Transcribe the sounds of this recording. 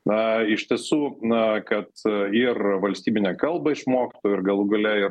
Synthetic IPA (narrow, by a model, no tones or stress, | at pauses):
ɐɪʃʲt̪ʲiɛsuːkɐt̪ɪrʋɐlʲsʲt̪ʲiːbʲɪnʲeːkɐlˠbɐɪʃmoːkʲɪ̥t̪oːjʊɪrɡɐlˠuɡɐlʲɛɪ